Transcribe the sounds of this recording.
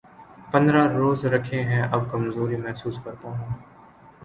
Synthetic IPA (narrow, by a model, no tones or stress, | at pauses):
pɐ̃nd̪ɾaɾoːzɾɐkʰẽɦɛ̃ʔɐb̚kɐmzoːɾimɛɦsuːskɐɾt̪aɦũː